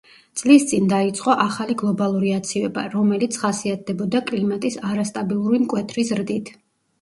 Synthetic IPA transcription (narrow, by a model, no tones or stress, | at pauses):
t̪sʼlist̪sʼind̪ait̪sʼqʼɔʔaχaliɡlˠɔbalˠuɾiat̪sʰivɛba̰ɾɔmɛlit̪sʰχasiat̪̚ʰd̪ɛbɔd̪akʼlimat̪ʼisaɾast̪ʼabilˠuɾimkʼwɛt̪ʰɾizɾd̪it̪ʰ